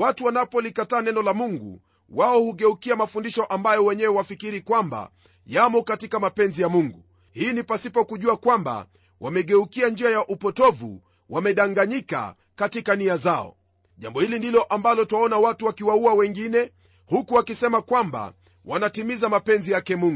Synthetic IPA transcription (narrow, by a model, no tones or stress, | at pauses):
watuwanapɔlikataːnɛnɔlamuŋɡṵ | waɔhuɠɛukiamafundiʃɔʔambajɔwɛɲɛwɛwafikiɾikwamba̰ | jamɔkatikamapɛnzijamuŋɡu | hiːnipasipɔkuʄuakwamba̰ | wʔamɛɠɛukiand͡ʒiajaʔupɔtɔvṵ | wamɛɗaŋɡaɲika̰ | katikaniazaɔ̰ | ʄambɔhilindilɔʔambalɔtwaɔnawatuwakiwauawɛŋɡinɛ | hukuwakisɛmakwamba̰ | wanatimizamapɛnzijakɛmuŋɡu